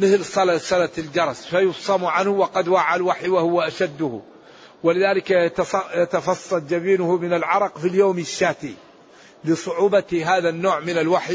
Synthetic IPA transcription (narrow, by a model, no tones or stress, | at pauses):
mɪθlsˤɑlasˤɑlat̪ld͡ʒɑɾˤɑsfajʊfsˤɑmuʕanhʊwɑqɑd̪waːʕalwaħijwɪhʊwːaʔaʃad̪ːʊhʊ̰ | wɪlɪðaːlɪkajt̪ɑjat̪ɑfɑsˤːɑld͡ʒabiːnʊhʊmɪnalʕɑɾˤɑqfiljoːmɪʃːaːt̪i | lɪsˤʊʕuːbɑt̪ɦaːðanːoːʕmɪnalwaħj